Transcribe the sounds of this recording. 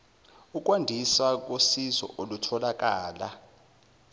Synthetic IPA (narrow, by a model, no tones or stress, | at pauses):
uk̬ʼwandʱiswak̬ʼosizɔ̰ʔolutʰɔlakʼaːla